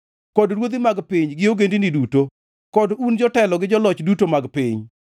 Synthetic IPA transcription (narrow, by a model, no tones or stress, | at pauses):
kɔdɾwod̪imaɡpiɲɡɪoɡendiniduto | kɔdund͡ʒɔtɛlɔɡɪd͡ʒɔlɔt͡ʃdutomaɡpɪɲ